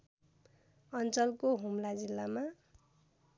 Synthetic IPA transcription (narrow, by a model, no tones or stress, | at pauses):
ʌnt͡sʌlkoɦumlad͡zilːama